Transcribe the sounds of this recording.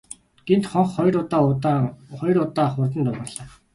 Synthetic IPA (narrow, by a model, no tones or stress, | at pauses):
ɡ̥ent̪χɔɴχɔjrʊt̪aː | χɔjɾʊt̪aːχʊrt̪̬ə̆nt̪ʊʁə̆rɮ̥aː